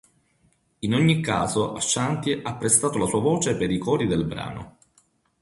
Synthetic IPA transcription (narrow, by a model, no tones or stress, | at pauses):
inoɲːikːaːzoʔaʃːant̪iʔapːɾest̪aːt̪olasuːavoːt͡ʃepeɾikɔːɾid̪elbɾa̰ːno̰